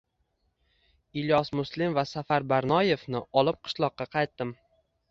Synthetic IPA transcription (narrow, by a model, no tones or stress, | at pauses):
ɪljɒsmʊslɪmvasafaɾbaɾnɒje̞fnɪɒlˠɪp̚qʰɨ̥ʃlˠɒqːɑqʰɑjt̪ːɪm